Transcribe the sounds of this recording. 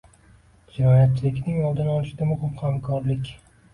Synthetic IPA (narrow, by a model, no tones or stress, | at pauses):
d͡ʒɪnɒjat̪̚t͡ʃʰːɪlɪkʲnɪŋɒlˠd̪ɪnɒlˠɪʃɪd̪amʊhɪmhamkʰɒɾlɪkʲ